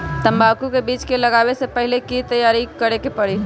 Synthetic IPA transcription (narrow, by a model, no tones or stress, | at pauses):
t̪əmbabkukebit͡ʃkeləɡabesepəɦilekit̪əjaɾikəɾekepəɽi